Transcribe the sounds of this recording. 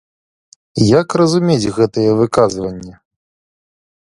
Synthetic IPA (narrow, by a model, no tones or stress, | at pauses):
jakrɐzumʲet͡sʲɣɛt̪ɨjɛvɨkazvɐnʲːɐ